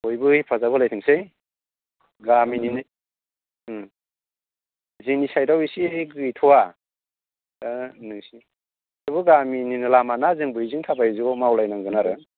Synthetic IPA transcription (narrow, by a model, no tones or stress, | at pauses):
ojbɯipʰazabɯlajtʰɯŋse | ɡaminin | ziŋnisajdawisiɡɯjtʰɔwa | nɯŋsi | bɯɡamininɯlamanazɯŋbɯjziŋtʰabaiziɡɔmawlajnaŋɡɯnaɾɯ